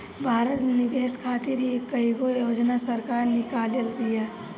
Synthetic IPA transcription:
bʱaːɾət̪nɪbeːskʰaːt̪iɾekːəiɡojoːd͡ʒnasəɾkaːɾnɪkaːljəɾpija

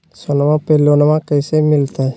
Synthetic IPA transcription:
sonmãpelonmãkəjsemɪlt̪a

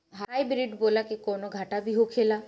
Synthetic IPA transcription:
ɦaajbɾiɖbolakikɔnoɡʱaʈabʱiɦokʰela

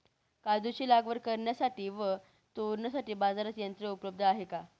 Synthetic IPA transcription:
kad̪ut͡ɕiːlaɡʋəɾkəɾɳjasaʈiːʋə | t̪oɾɳjasaʈiːbad͡zaɾat͡sjənt̪ɾəupləb̚d̪ʱəaɦeka

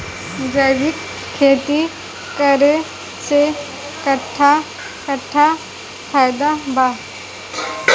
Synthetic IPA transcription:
d͡ʒəjʋik | kʰːeːt̪i | kəɾe | se | kɐʈʰːa | kəʈʰːa | kʰajd̪abʱaɦ

